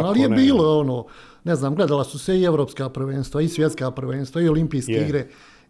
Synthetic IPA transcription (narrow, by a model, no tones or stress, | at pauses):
nalijebiːloonoː | neznaːmɡle̞d̪alasuseieʋɾo̞ːpskaːpɾ̩ʋeːnst̪ʋaisʋje̞t̪skaːpɾ̩ʋeːnst̪ʋaiolimpiːskeiɡɾe